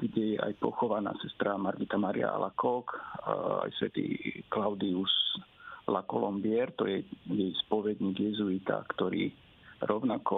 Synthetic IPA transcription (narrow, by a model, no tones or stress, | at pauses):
ɡɟɛjɛʔajpɔxɔʋana̰ːsɛst̪ɾamaɾɡit̪amaɾḭa̰a̰lʔakɔka̰jsʋɛt̪ḭːklawd̪ius | lakɔlɔmbɪɛɾt̪ɔjɛjɛjspɔʋɛd̪ɲiːɡjɛzuit̪a̰kt̪ɔɾiː | ɾɔʊnakɔ